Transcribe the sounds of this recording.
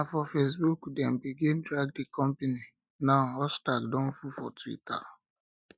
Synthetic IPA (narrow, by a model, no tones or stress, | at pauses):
afɔfesbukdɛm̩biɡindɾaɡ̚dikʰɔmpeni | naʊɦɔstaɡdɔ̃n̩fufɔtwḭta̰